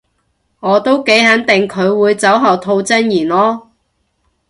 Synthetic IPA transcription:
ŋɔː˨˧t̪o˥wke˨˥jhɐ˨˥nt̪ɪ˨ŋkʰɵ˨˧ɥwuː˨˧jt͡sɐ˨˥wɦɐ˨wt̪ʰo˧wt͡sɐ˥njiː˨˩nlɔː˥

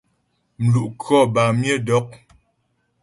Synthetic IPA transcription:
m̩˨lu˨ʔkɔ˦˨ba˨mje˦˨dɔ˨˦k̚

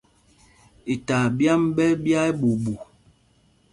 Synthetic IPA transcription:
i˨ta˨bja˦mbɛ˦bja˦e˦ɓu˨bu˨

